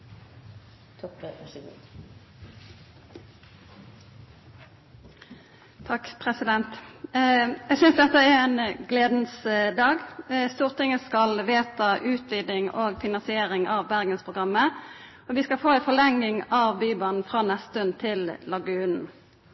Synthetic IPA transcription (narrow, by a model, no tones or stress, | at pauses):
t̪ʰɡ̰̪ | t̪ʰɑkpʰʁɛsɪd̪ɛnt̪ | jæɡsʏnsd̪ɛt̪ːəɛʁɛːnɡleːd̪n̩sd̪ɑːɡst̪uːʁt̪ɪŋəskɑlʋeːt̪ɑʔʉːt̪ʋid̪ɪŋoːɡfɪnɑnsɪeːʁɪŋʔɑʋbæʁɡənspʰʁʊɡʁɑmːə | ɔʋɪskɑlfoːɛnfɔlɛŋːɪŋɑʋbyːbɑnn̩fʁɑːnɛst̪ʉnt̪ʰɪllɑɡʉːnn̩